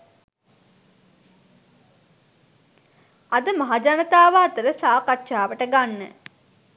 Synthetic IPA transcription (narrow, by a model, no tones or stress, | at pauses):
ad̪əmaɦad͡ʒanət̪aːʋaːt̪əɾəsaːkatːʃaːʋəʈəɡanːə̰